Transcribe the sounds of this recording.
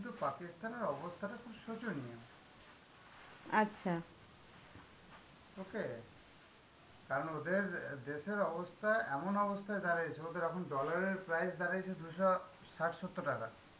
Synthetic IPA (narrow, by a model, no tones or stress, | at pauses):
kint̪̬upakist̪aneɾɔbost̪ʰaʈakʰubʃot͡ɕonniem | atːɕʰa | oke | kaɾɔnod̪eɾd̪eʃeɾɔbost̪ʰaeʔɛmonɔbost̪ʰajd̪aɾajt͡ɕʰeod̪eɾɛkʰonɖɔlaɾeɾpɾajsd̪aɾajt͡ɕʰed̪ujʃɔ | saʈsot̪ːoʈaka